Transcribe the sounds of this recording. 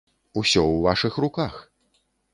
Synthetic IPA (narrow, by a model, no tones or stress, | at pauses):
usʲɔwvaʂɨxrukax